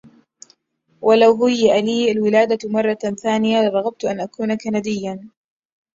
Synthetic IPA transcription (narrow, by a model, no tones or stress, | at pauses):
wʔalawɦʊjːɪʔaliːʔalwɪlaːd̪amɑrˤːɑθaːnɪjalɑɾˤɑɣab̚t̪ʔanʔakuːnakanad̪ɪjːan